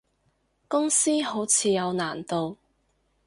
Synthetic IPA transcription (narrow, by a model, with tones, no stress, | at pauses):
kʊ˥ŋsiː˥ɦo˨˥wt͡sʰiː˨˧jɐ˨˧wnaː˨˩nt̪o˨w